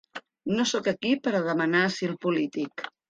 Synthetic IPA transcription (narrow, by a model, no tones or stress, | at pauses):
nosɔkəkipəɾəðəmənasilˠpulit̪ik